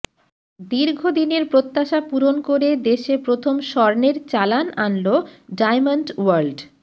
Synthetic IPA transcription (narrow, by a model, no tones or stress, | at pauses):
d̪iɾɡʱod̪ineɾpɾot̪ːaʃapuɾonkoɾed̪eʃepɾot̪ʰomʃɔɾneɾt͡ɕalananloɖajmanʈwaɾlɖ